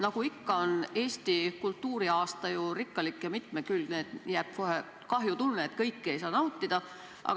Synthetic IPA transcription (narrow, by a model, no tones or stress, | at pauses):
nɑɡ̥uikːɑo̞ne̞ːst̪ikult̪ːuːɾiɑːst̪ɑjurikːˑɑlikːjɑmit̪mekylɡneːd̪̥jæːb̥̚koɦe | kɑɦjut̪ulneːt̪kɤjkːejs̬ɑːnɑwt̪ːid̪̥ɑ | ʔɑ̰